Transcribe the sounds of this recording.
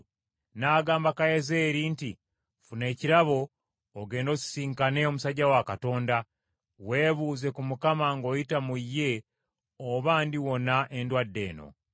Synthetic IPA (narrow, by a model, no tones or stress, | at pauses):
naɡaːmbakajezeːɾiːnti | fune̞ːciɾaβo̞ː | ɡe̞ːndo̞ːci̥siːŋkane̞omusaɟawakato̞ːnda | we̞ːβuːze̞kumukamaŋɡo̞jitamujːe̞ | oβaːndiwo̞naʔendwadːe̞̰ːno̞̰